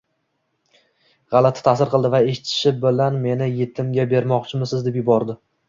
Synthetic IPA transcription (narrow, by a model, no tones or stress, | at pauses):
ʁɑlˠat̪ʰɪ̥t̪ʰasɪɾqʰɨlˠd̪ɪvae̞ʃɪt̪ʰɪ̥ʃɪbɪlanme̞nɪjet̪ʰɪmɡʲabe̞ɾmɒqt͡ʃʰɪmɪsɪzd̪epjʊbɒɾd̪ɪ